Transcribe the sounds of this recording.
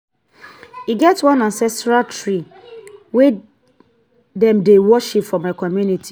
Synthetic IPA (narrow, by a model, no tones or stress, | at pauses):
iɡɛtwɔ̃nãnsɛstɹaltʰɹi | we | dɛ̃mdewɔʃipfɔmaɪkɔmjunitʰi